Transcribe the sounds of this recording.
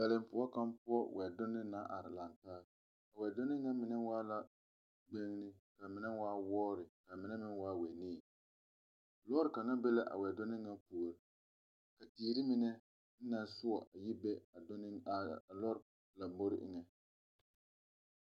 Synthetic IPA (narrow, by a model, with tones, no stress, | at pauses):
bɛ˨lɪ˨m˦pʊ˦ɔ˦ka˦mpʊ˦ɔ˦wɛ˨dʊ˦nɪ˦na˦ʔa˨ɾɪ˨la˨ntaː˦ | a˨wɛ˨do˦nɪ˦ŋa˦mɪ˨nɛ˦waː˦la˨ | ɡ͡bɛ˦ŋ˦nɪ˦ka˨mɪ˨nɛ˦waː˦wɔː˦ɾɪ˨ka˨mɪ˨nɛ˦mɪ˦nwaː˦wɛ˨ni˦˨ | lɔː˦ɾɪ˨ka˨na˦bɛ˦la˦ʔa̰˨wɛ˨dʊ˦nɪ˦ŋa˦pu˨ɾɪ˨ | ka˨tiː˨ɾi˦mɪ˦nɛ˦ | n̩˦na˦sʊ˦ɔ˨ʔa˨ji˦bɛ˦a˨˦˨lɔ˦ɾ | la˨bo˦ɾɪ̰˦ʔɪ̰˦ŋɛ˨